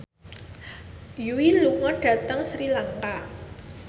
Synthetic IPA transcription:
juiluŋɔɖ̥ä̤t̪əŋsɾilaŋka

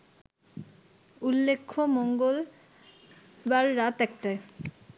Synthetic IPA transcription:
ulːekʰːomɔŋɡol | baɾːat̪ɛk̚ʈae

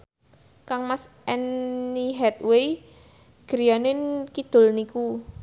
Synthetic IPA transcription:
kaŋmas | ɛnːiɦɛt̪̚wej | ɡ̥əɾijanɪnkid̪̥o̤lniku

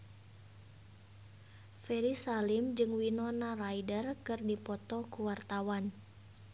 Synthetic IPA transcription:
fɛɾisalimd͡ʒɨŋwinɔnaraidərkɨrdipɔt̪ɔkuwart̪awan

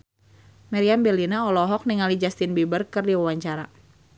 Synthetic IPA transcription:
maɾiambɛlinaɔlɔɦɔk̚niŋalid͡ʒast̪inbibərkɨrdiwawaɲt͡ʃaɾa

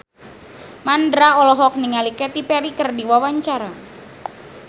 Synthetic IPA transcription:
mandɾaɔlɔɦɔk̚niŋalikɛt̪ipɛɾikərdiwawaɲt͡ʃaɾa

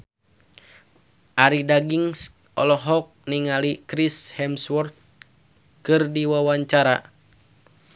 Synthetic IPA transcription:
ʔaɾidaɡiŋs | ʔɔlɔɦɔk̚niŋalikɾishɛmswɔrt̪̚ | kɨrdiwawaɲt͡ʃaɾa̰

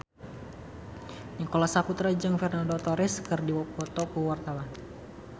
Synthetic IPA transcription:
ɲikolasaput̪ɾad͡ʒaŋfɛrnandɔt̪ɔɾɪskərdiwpɔt̪ɔkuwart̪awan

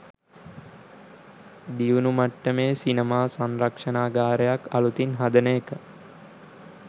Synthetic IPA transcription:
d̪iʋunumaʈːəmeːsinəmaːsanɾɐkʂɐnaːɡaːɾəjakɐlut̪inɦad̪ənəːkə

